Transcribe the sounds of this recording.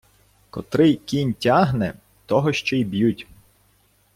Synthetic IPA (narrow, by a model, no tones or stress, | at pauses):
kɔ̰t̪ɾɪkʲinʲtʲaɦnɛ | t̪ɔɦɔʃt͡ʃɔibjutʲ